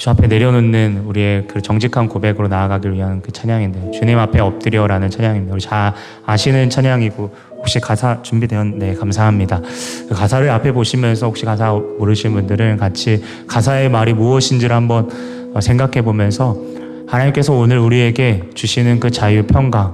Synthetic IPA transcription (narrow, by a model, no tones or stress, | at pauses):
t͡ɕuapʰe̞ne̞ɾjʌnonːɯnuɾie̞kɯɾt͡ɕʌŋd͡ʑʰikʰankobe̞ɡɯɾonaaɡaɡiɾɥiɦanɯnkɯt͡ɕʰaɲaŋindejot͡ɕuɲimapʰe̞ʌp̚t͈ɯɾjʌɾanɯnt͡ɕʰaɲaŋimɲidauɾit͡ɕaː | ɕʰinɯnt͡ɕʰaɲaŋiɡo | hok̚ɕ͈ikasʰat͡ɕumbidweʌnːe̞kamsʰaɦamɲidakɯkasʰaɾɯɭapʰe̞boɕʰimjʌnsʰʌhok̚ɕ͈ikasʰamoɾɯɕʰinnbundɯɾɯnkat͡ɕʰi | kasʰae̞maɾimuʌɕʰind͡ʑiɾhambʌn | ʌsʰe̞ŋɡakʰe̞bomjʌnsʰʌ | hanaɲimk͈e̞sʰʌonɯɾuɾie̞ɡe̞t͡ɕuɕʰinɯnkɯt͡ɕajupʰjʌŋɡa